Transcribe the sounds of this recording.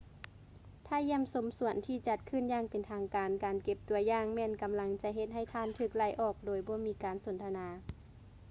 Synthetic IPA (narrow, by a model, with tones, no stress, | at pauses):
t̪ʰaː˧˨ji˧˥˩əmso˨˦msu˨˩˦ənt̪ʰiː˧˩t͡ɕa˧˦t̪̚kʰɯ˧˥˨njaː˧˩ŋpe˨nt̪ʰaː˧ŋkaː˨nkaː˨nke˧˩p̚t̪u˨˩ɐjaː˧ŋmɛː˧˥˨nka˨mla˨˦ŋt͡ɕa˧ɦe˧˦t̪̚ɦa˧˩jt̪ʰaː˧˨nt̪ʰɯː˧˩k̚la˧˩jʔɔː˧˩k̚doː˨˩jbɔː˧˦miː˧˥kaː˨nso˨˦nt̪ʰa˧naː˨˧˦